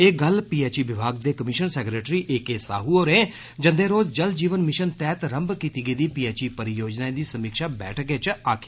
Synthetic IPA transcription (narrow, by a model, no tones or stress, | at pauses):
eːɡəlpiːeːt͡ʃiːʋɪbʱaːɡd̪eːkəmɪʃənsɛːkɾeːʈɾiːʔeːkeːsa̰ːɦuːoːɾẽː | d͡ʒə̃nd̪eːɾoːd͡ʒd͡ʒəld͡ʒiːʋənmɪʃənt̪ɛːt̪ɾə̃mbkiːt̪iːɡəiːd̪iːpiːɛːt͡ʃiːpəɾɪjoːd͡ʒnaːẽd̪iːsəmiːkʃaːbɛ̰ːʈʰɡeːt͡ʃaːkʰeː